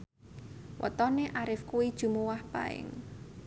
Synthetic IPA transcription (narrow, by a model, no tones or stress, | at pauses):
wʔə̰t̪ɔneʔaɾɪfkuwid̥ʒ̥ṳmuwahpa̰ɪ̰ŋ